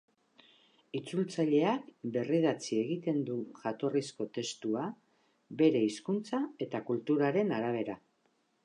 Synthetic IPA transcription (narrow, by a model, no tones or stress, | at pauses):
it͡sult͡saʎe̞akbe̞riðat͡sie̞ɣ̞it̪e̞nd̪uʝat̪o̞risko̞t̪e̞st̪ua | be̞ɾe̞iskunt͡sae̞t̪akult̪uɾaɾe̞naɾaβ̞e̞ɾa